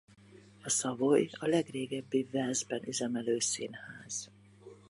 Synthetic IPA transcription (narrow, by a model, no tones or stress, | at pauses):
ɒsɒvojɒlɛɡreːɡɛbːivɛlzbɛnyzɛmɛløːsinhaːz̥